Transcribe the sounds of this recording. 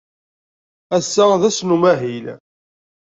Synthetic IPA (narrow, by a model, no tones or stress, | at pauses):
æsːəðæsnumæɦil